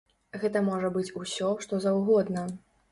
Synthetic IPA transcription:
ɣɛt̪ɐmɔʐɐbɨt͡sʲusʲɔʂt̪ɔzɐwɣɔd̪nɐ

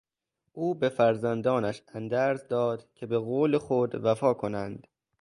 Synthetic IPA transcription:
ʔuːbe̞fæɾzænd̪ɒːnæʃænd̪æːɾzd̪ɒːd̪̥cʲʰe̞be̞ɣoːlexod̪væfɒːkʰo̞nænd̪̥

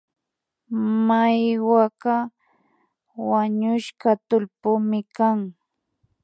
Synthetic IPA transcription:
majwaka | waɲʊʃkat̪ʊlpʊmɪkaŋ

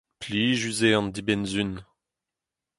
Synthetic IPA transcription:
pliːʒyzeɑ̃nd̪ibɛnzyn

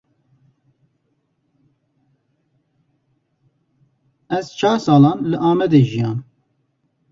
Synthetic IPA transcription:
ɛzt͡ʃʰɑːɾsɑːlɑːnlɨʔɑːmɛd̪eːʒijɑːn

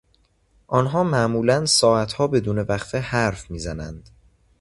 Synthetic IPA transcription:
ʔɒːnɦɒːmæʔmuːlænsɒːæt̪ʰhɒːbe̞d̪uːne̞væxfehæɾfmiːzænæ̰nd̪̥

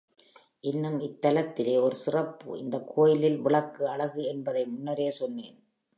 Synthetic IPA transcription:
ʔɪnːɯmɪt̪ːɐlɐt̪ːɪleːɔɾɯsɪrɐpːɯ̰ɪ̰nd̪ɐkʰːoːjɪlɪlʋɪɭɐkːɯɐɭɐɣɯɛnbɐðɐɪmʊnːɐɾeːsɔnːeːn

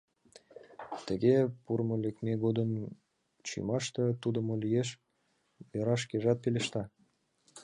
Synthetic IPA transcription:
t̪ə̆ɡepuɾmolekmʲeɡod̪əm | t͡ɕḭmɑʃt̪ɤ̆t̪ud̪ə̆molijeʃ | jɤɾɑʃkeʒɑt̪̚pelʲeʃt̪ɑ

